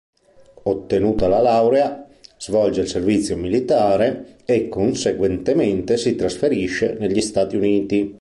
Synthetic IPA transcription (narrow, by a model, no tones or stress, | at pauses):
ot̪ːenuːt̪alalawɾea | z̥vɔld͡ʒeilservit̪sːjomilit̪aːɾeekːonseɡwɛnt̪ement̪esit̪ɾasfeɾiʃːeneʎːist̪aːt̪iuniːt̪i